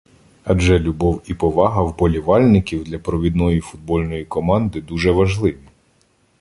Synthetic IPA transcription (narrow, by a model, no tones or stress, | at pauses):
ɐd͡ʒɛlʲʊbɔwipɔʋɑɦɐwbɔlʲiʋɑlʲnɪkʲiwd̪lʲɐpɾɔʋʲid̪nɔjifʊd̪̚bɔlʲnɔjikɔmɑnd̪ɪd̪uʒɛʋɐʒlˠɪʋʲi